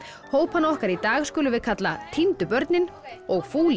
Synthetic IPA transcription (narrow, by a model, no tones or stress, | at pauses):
hoːwphanːaɔhkaɾit̪aːɣskʏːlʏvɪðkʰat̪la̰t̪ʰint̪ʏpœɾt̪nɪnɔɣfuːlɪ